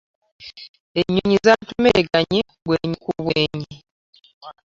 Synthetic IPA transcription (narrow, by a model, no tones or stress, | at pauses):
eɲuɲizatumeɡaɲi | βweːɲikuβweːɲi